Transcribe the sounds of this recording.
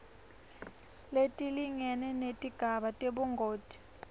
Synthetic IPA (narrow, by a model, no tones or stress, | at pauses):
letʼiliŋɛnɛnetʼiɡ̥ʱaɓatʼeɓuŋɡʱoːd̥ʱi̥